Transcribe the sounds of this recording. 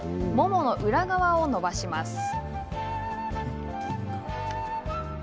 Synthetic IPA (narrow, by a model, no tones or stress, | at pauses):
mo̞mo̞no̞ʔɯ̟ɾaɡaβao̞no̞baɕimasɨ̥